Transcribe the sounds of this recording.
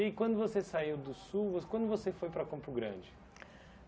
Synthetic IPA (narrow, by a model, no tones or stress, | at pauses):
ekwɐ̃nd̪ʊvosesaiwd̪ʊsuwvokwɐ̃nd̪ʊvosefojpɾɐkõpʊɡɾɐ̰̃d͡ʒɪ